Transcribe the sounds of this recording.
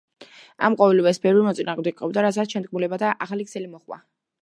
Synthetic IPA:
a̰mqʼɔvɛlibasbɛɾɾimɔt̪sʼinaːʁmd̪ɛɡqʼɔbd̪aɾat̪s̬aʃɛnd̪̚k̚ʼmulɛbad̪aʔaχaliksɛlimɔχwa̰

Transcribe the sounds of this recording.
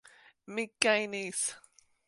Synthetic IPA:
mikːajnis

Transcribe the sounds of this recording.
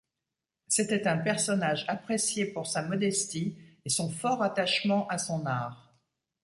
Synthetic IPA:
set̪ɛt̪ɛ̃pɛʁsɔnaʒapχesjepuʁsamɔd̪ɛst̪iesɔ̃fɔʁat̪aʃmɑ̃ʔasɔ̃naːʁ

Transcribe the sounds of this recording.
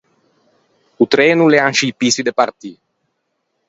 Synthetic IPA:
ut̪ɾɛːnuleaŋʃijpisid̪epaɾt̪i

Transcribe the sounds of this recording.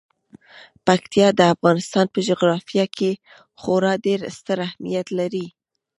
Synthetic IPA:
pakt̪ijɑd̪əafɣɑnɪst̪ɑnpəʒoɣɾɑfijɑkʰe | xoɾɑɖeɾst̪əɾahmijat̪laɾi

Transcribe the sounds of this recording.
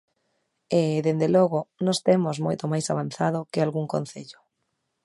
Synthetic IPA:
eðend̪elɔɣʊnɔst̪emoszmojt̪omajsaβ̞an̟θaðokɪalɣuŋkon̟θeʎʊ̥

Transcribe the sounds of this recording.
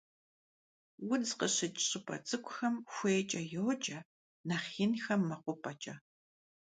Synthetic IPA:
wʊnzqəɕɪt͡ʃʼɕʼɨpʰʼɐ̰t͡sʼɨkʷʼʊxɐmxʷeːt͡ʃʼɐjoːt͡ʃʼɐ | nɐχinxɐmːɐqʷʊpʰʼɐt͡ʃʼɐ

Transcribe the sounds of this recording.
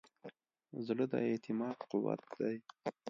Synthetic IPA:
zləd̪ə̰et̪ɪmɑːd̪qʊwa̰t̪̚d̪aj

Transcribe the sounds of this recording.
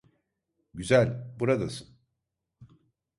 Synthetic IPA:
ɟyzælʲbuɾad̪asɯn

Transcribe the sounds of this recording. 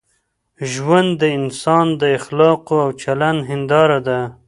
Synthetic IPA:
ʒwand̪ːəɪnsɑnd̪əɪxlɑqoawt͡ʃalanɦɪnd̪ɑɾad̪a

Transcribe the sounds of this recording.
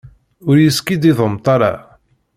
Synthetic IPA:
ʊɾjəskid̪iðˤəmt̪ˤɑɾˤɑ̰

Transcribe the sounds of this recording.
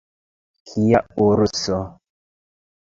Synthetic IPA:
kʰijauɾusɔ

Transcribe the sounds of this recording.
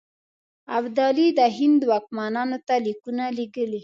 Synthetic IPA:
abd̪alid̪əɦɪnd̪wɑk̚mɑnɑnot̪alikunaliɡəli

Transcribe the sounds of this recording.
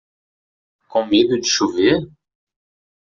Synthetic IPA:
kõmed̪ud͡ʒiʃuve

